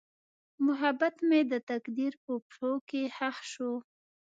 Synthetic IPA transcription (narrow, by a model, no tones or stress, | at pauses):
mʊɦabat̪med̪ət̪akd̪iɾpəpʂokehaxʃu